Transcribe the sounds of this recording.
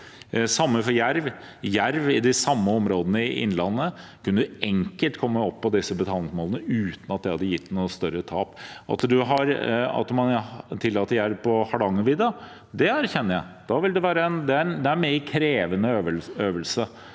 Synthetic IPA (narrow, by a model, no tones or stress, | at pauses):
sɑmːəfɔɾjæɾʋ | jæɾʋɪd̪ɪsɑmːəɔmɾoːd̪ənəɪʔɪ̰nːlɑnːə | kʰʉnːəd̪ɛŋkəlt̪kʰɔmːəɔpːɔd̪ɪsːəbət̪ʰɑːlɪŋsmoːlənəʉːt̪nɑt̪̚d̪ɛɪhɑd̪ːəjɪt̪ːnuːəst̪œɾət̪ʰɑːpɑ̰t̪d̪ʉɦɑɾɑ̰t̪mɑnt̪ʰɪlːɑːt̪ːəɾjæɾʋpʰɔhɑɖɑŋːʉʋid̪ɑ | d̪ɛæɾçɛnːəɾjæɪd̪̥ɑʋɪld̪ɛʋæːɾəɛnd̪ɛæɾnd̪ɛæɾmeɾkʰɾeːʋənəøʋəøːʋəlsə